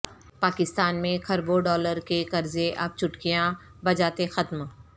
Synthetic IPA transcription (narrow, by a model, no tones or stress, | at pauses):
paːkɪst̪aːnmẽkʰɐɾboɖɔːləɾkekɐɾzeʔɐb̚t͡ʃʰʊʈkijã | bɐd͡ʒaːt̪exɐt̪m